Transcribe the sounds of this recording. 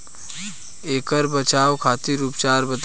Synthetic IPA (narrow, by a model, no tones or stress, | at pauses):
eːkəɾbət͡ʃaːwkʰaːt̪iɾuːpt͡ʃaːɾbɐt̪